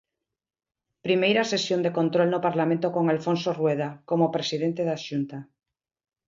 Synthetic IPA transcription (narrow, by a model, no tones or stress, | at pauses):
pɾimejɾasesjond̪ekont̪ɾolnopaɾlamẽnt̪okoŋalfõnsorweð̞akomopɾesiðent̪eðaʃunt̪a